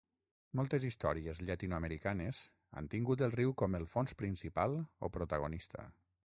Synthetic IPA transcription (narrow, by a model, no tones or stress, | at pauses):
mɔlˠt̪ezist̪ɔ̰ɾiezʎat̪inuaməɾikanez | a̰nt̪iŋɡut̪̬əlˠriwkɔməlˠfonspɾinsipalˠo̰pɾot̪aɣ̞onist̪ə̰